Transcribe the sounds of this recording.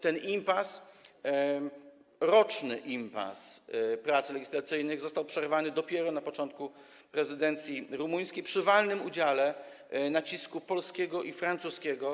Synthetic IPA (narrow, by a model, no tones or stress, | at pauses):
t̪ɛnimpas | ɾɔt͡ʂnɘ̰ʔimpa̰spɾat̪slɛɡʲislat̪sɘjnɘɣzɔst̪awpʂɛɾvanɘd̪ɔpʲjɛɾɔnapɔt͡ʂɔnt̪̚ku | pɾɛzɘd̪ɛnt̪sʲjiɾumuj̃skʲejpʂɘvalnɘmud͡ʑalɛ | nat͡ɕiskupɔlskʲɛɡɔʔifɾant̪suskʲɛɡɔ